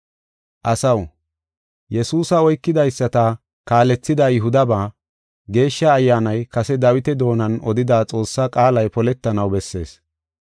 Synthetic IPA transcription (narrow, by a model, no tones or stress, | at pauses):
ʔɐsɐw | jɛsuːsɐɔjkːɪd̪ɐjsːɐt̪ɐ | kaːlɛt͡sːɪd̪ajɪɦʊd̪ɐbaː | ɡe̞ːʃːɐːjːaːnɐjkɐsɛd̪ɐwɪt̪ɛd̪o̞ːnɐnɔd̪ɪd̪aːt͡sʼo̞ːsːakʼaːlɐjpɔlɛt̪ːɐnɐwbɛsːe̞̰ːs